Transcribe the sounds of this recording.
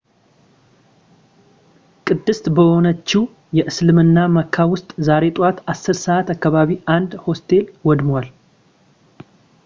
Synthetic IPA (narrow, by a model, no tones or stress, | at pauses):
kʼɨd̪ːɨst̪bəho̞nət͡ʃːiw | jɛʔɨslɨmɨnːaməkʰːawʊst̪ʼzaɾe̞t̪ʼat̪asːɨɾsəʔat̪akːaβaβiʔand̪ho̞st̪ʰe̞lwɔd̪mwal